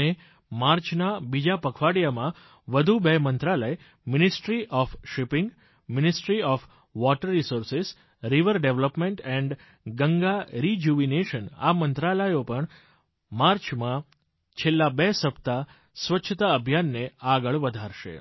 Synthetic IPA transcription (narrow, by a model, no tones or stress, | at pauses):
e | maɾt͡ʃʰnabid͡ʒapəkʰʋaɽjamã | ʋəd̪ʱubemənt̪ɾaləj | mɪnɪsʈɾiʔɔfʃɪpɪ̃ŋɡ | mɪnɪsʈɾiɔf | ʋɔʈəɾːisoɾses | ɾiʋəɾɖeʋləpmeɳʈɛ̃ɳɖ | ɡəŋɡaɾid͡ʒuʋineʃəna̰mənt̪ɾaləjopəɳ | maɾt͡ʃmã | t͡ʃʰelːabesəpt̪a | sʋətːʃʰət̪aəbʱjanːeaɡəɭʋəd̪ʱaɾʃḛ